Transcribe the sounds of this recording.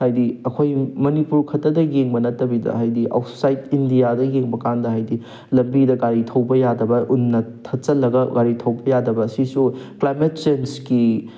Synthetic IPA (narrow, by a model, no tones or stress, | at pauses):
hajdiɐkʰojmɐnipuɾkʰɐtːɐdɐjeŋbɐnɐtːɐbidɐ̰ɦajdiʔa̰wtsajtindijadɐjeŋbɐkandɐɦajdi | lɐmbidɐɡaɾitʰɐwbɐjadɐbɐʔunːɐtʰɐt͡ʃɐlːɐɡɐɡaɾitʰɐwbɐjadɐbɐːsisuklajmet̚t͡ʃenski